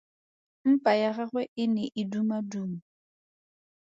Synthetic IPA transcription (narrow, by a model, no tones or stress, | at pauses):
m̩pʼajaɣaɣwɛʔɪnɛʔɪdumaduːma